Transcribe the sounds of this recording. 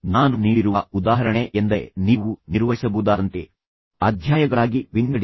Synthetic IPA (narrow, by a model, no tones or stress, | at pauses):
naːnuniːɽiɾuʋɐud̪aːɦɐɾɐɳeʔend̪ɐniːʋuniɾʋɐɦisɐbuːd̪aːɾɐnt̪e | ɐd̪ʱjaːjɐɡɐɭaːɡiʋiŋɡɐɽ